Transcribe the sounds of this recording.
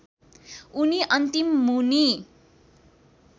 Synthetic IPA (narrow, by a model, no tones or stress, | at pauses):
uniʔʌnt̪imːuni